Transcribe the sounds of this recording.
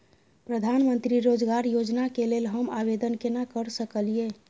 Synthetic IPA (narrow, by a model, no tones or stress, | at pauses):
pɾəd̪ʱanmənt̪ɾiɾod͡ʒɡaɾjod͡ʒnakelelɦəmaβed̪ənkenakəɾsəkəlie